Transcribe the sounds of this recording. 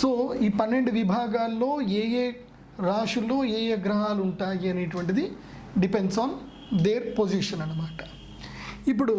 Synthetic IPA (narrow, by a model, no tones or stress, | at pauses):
soːiːpɐnːe̞ɳɖuʋibʱaːɡaːlːo̞ːeːjeː | ɾaːʂulːo̞ːeːjeːɡɾɐɦaːluɳʈaːjiɐneːʈuʋɐɳʈ̬id̪i | ɖipe̞ɳɖsaːn | d̪eːɾpoːd͡ʒiʂɐnɐnːɐmaːʈɐ̥ | ip̬ːuɽu